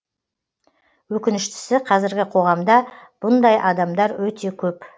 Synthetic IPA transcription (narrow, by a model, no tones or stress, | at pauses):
wɵkʲɪnɪʃt̪ɪ̥sɪqʰɑzɪɾɡʲɪqʰo̞ʁɑmd̪ɑb̥ʊnd̪ɑjʔɑd̪ɑmd̪ɑɾwɵt̪ʰe̞kʲʰɵp